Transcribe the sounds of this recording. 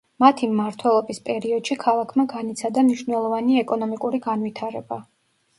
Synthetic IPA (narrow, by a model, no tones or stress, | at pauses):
mat̪ʰimːaɾt̪ʰwɛlˠɔbispʼɛɾiɔd̪̥ʃikʰalˠakʰmaɡanit̪sʰad̪amniʃnɛlˠɔvaniɛkʼɔnɔmikʼuɾiɡanvit̪ʰaɾɛba